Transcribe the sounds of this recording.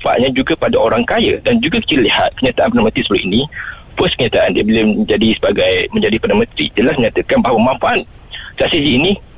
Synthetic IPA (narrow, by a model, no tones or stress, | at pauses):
fa̰ʔɲãd͡ʒuɡapadaʔoɾaŋkajə̰dand͡ʒuɡakə̥t͡ʃililihat̪̚kəɲat̪aʔanpənanmə̃nt̪ɾisəbəluʔinĩ | pɔskəɲat̪aʔandiabəlaməəd͡ʒadisə̥baɡajmə̃ɲd͡ʒadipdanmə̃nt̪ɾḭdəlasməɲat̪əkanbaɦawaəmãɱfaʔat̪̚ | saʔsis̬iːnĩ